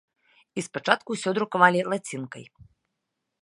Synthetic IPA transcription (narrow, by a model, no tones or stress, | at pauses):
ispat͡ʂat̪kuwsʲɔd̪ɾukavalʲilˠat͡sʲinkɐ̰j